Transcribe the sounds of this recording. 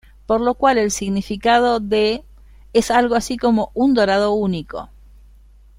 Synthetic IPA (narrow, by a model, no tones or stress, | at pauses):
po̞ɾlo̞kwale̞lsiɣnifikað̞o̞ðe | esalɣoasiko̞mo̞ʔund̪o̞ɾaðo̞uniko̞̰